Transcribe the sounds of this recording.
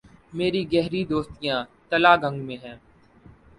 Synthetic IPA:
meːɾiɡɛɦɾid̪oːst̪ijãːt̪əlaːɡə̃ŋɡmẽːɦɛ̃ː

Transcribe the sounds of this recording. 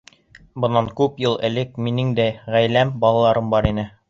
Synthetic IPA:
bɤ̆nːɑŋkʉpjɤlˠɘ̆lɘk̚minɘŋd̪æʁæjlæmbɑlˠɑlˠɑɾɤmbɑɾinɘ

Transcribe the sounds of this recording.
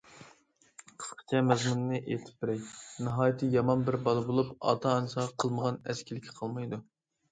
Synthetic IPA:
qʰə̥sqʰə̥t͡ʃʰɛmɛzmunnɨʔet̪ʰɪ̥p̚bɪɾɛjnɨɦɑːjit̪ʰɨjɑmɑnbɪɾbɑlˠɨbolˠupɑ̰ːt̪ʰɑːnɨsɑʁɑqʰəlˠməʁɑnɛskʲʰilɪkʲʰɪ̥qʰɑlˠmɑjd̪u

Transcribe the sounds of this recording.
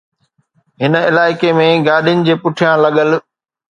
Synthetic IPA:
ɦɪnɪlaːɪkemẽɡaːɗɪjʊnɪ̆d͡ʑeːpʊʈʰijãlɐɠəl

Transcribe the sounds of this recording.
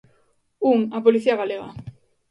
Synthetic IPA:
uŋapoliθiaɣaleɣa̰

